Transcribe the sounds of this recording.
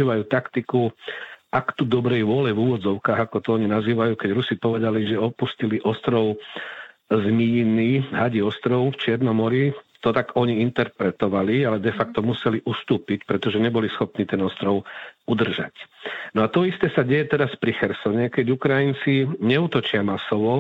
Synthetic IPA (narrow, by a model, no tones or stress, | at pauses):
iːʋajuːt̪akt̪iku | akt̪ud̪ɔbɾɛjʋʊɔlɛvuːʋɔd͡zɔʊkaːɣakɔt̪ɔɔɲinaziːʋajuːkɛɟɾusipɔʋɛd̪aliʒɛɔpusciliʔɔst̪ɾɔʊ | zmijniːɦaɟiɔst̪ɾɔʊft͡ʃɪɛɾnɔmɔɾit̪ɔt̪aɡɔɲiint̪ɛɾpɾɛt̪ɔʋalialɛd̪ɛfak̚t̪ɔmusɛliʔust̪uːpicpɾɛt̪ɔʒɛɲɛbɔlisxɔpniːt̪ɛnɔst̪ɾɔʊud̪r̩ʒa̰cnɔat̪ɔist̪ɛsaɟɛjɛt̪ɛɾaspɾixɛɾsɔɲɛkɛɟukɾajint͡siɲɛuːt̪ɔt͡ʃɪamasɔʋɔ